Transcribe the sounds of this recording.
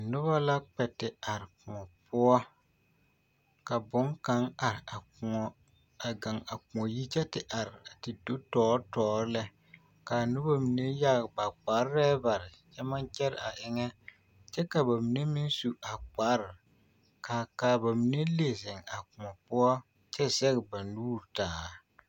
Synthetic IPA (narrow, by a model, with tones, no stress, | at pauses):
nʊ˦βa˦la˦k͡pɛ˨tɪ˨a˨ɾɪ˨kʊ˨ŋɔ˨pʊ˦ɔ˦ | ka˨bʊ˨˦ŋka˦ŋa˨ɾɪ˨a˨ʊ˨ɔ˦ | a˨ɡa˨ŋa˨kʊ˨ɔ˨ji˦t͡ʃɛ˦tɪ˨ʔa˨ɾɪ˨a˨tɪ˨do˦tɔː˦ɾtɔː˨˦ɾlɛ˦ | ka˨nʊ˦ba˦mi˨ne˦ja˦ɡba˨k͡pa˨˦ɾɾɛː˦ba˨ɾɪ˨t͡ʃɛ˦ma˦nt͡ʃɛ˦ɾɪ˨a˨ʔɪ˨ŋɛ˦ | t͡ʃɛ˦ka˨ba˨mi˨˦ne˦mɪ˦nsu˨a˨k͡pa˦ɾɪ˨ | ka˨ka˨ba˨mi˨ne˦le˨zɪ˨ŋa˨kʊ˨ɔ˨pʊ˦ɔ˦ | t͡ʃɛ˦sɛ˦ɣɪ˨ba˨nuː˦ɾtaː˨˦